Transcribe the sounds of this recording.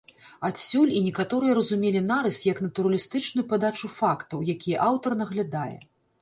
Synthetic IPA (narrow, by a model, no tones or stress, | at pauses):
at̪sʲulʲinʲɛkat̪ɔɾɨjɐɾɐzumʲelʲinaɾɨsʲtʲjɐkn̪ɐt̪uɾɐlʲist̪ɨt͡ʂnujupad̪at͡ʂufakt̪ɐwjakʲijɛʔawt̪ɐrnɐɣlʲad̪ajɛ̰